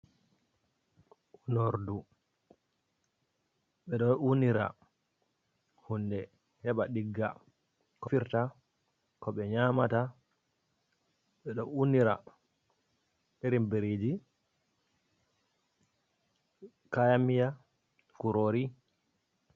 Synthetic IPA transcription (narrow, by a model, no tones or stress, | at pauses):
unoɾdu | ɓɛɗɔnuniɾa̰ | hundɛ | hɛɓaɗiɡːa̰ | kɔfiɾta | kɔɓɛɲaːmata | ɓɛɗɔnuniɾa̰ | ɗeɾimbeɾed͡ʒi | kajamija | kuɾoɾi